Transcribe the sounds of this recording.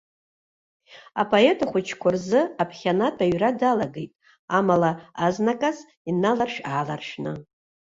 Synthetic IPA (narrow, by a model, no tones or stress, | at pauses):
a̰pʰʼoe̞tʰaχʷʊt͡ʃʰkʷʰʊrzɨapʰχʲanatʰʼaɥradalaɡejtʼ | amalaaznakʼas | inalarʂaːla̰rʂnɨ